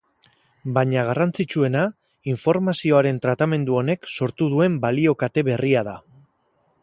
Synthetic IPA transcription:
baɲaɣ̞arant͡sit͡ʃue̞na | iɱfo̞ɾmasio̞aɾe̞nt̪ɾat̪ame̞nd̪uo̞ne̞kso̞ɾt̪uðue̞mbalio̞kat̪e̞βe̞riað̞a

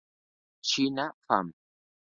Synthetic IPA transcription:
t͡ʃinafa̰m

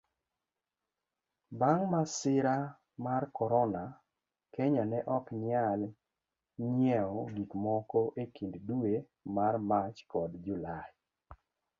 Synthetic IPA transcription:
baŋmasɪɾa | markɔɾɔna | kɛɲanɛʔɔkɲɪal | ɲjɛɔɡikmɔkɔʔekinddue | marmat͡ʃkɔdd͡ʒulaj

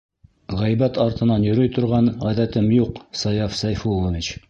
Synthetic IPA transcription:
ʁæjbæt̪ɑɾt̪ɤ̆nɑnjɵ̆ɾɵjt̪ŏɾʁɑnʁæðæt̪ɘmjuqsɑjɑfsæjfulˠovʲit͡ɕ

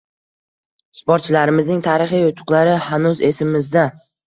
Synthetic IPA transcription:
ɪspoɾt̪̚t͡ʃʰɪlaɾɪmɪznɪŋt̪ʰaɾɪχijʊt̪ʰʊ̥qlˠaɾɪhanʊze̞sɪmːɪzd̪a

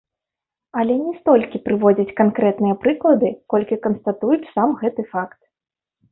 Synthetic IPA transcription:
ɐlʲɛnʲɛst̪ɔlʲkʲipɾɨvɔd͡zʲɐt͡sʲkankɾɛt̪nɨjɐpɾɨklˠɐd̪ɨkɔlʲkʲikɐnst̪ɐt̪ujut͡ssamɣɛt̪ɨfakt̪̚

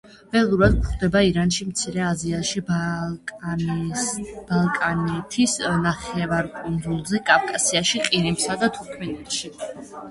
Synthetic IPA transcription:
v̥ɛlˠuɾad̪̚kχd̪ɛbaiɾanʃimt̪sʰiɾɛaziaʃi | b̥alˠkʼanɛt̪ʰisnaχɛvaɾkʼund̪zulˠzɛkʼafkʼasiaʃiqʼiɾimsad̪at̪ʰuɾkʰmɛnɛt̪ʃi

